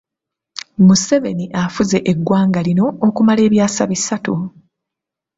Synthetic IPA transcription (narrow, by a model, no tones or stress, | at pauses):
muse̞ve̞niʔafuze̞ʔeɡːwaːŋɡalino̞ːkumale̞ːβjaːsaβisatu